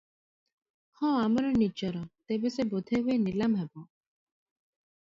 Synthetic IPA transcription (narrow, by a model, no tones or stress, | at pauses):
hɔ̃amɾɔnid͡ʒɔɾɔt̪ebɛsebɔd̪ʱeɦuenilamɦɛbɔ̃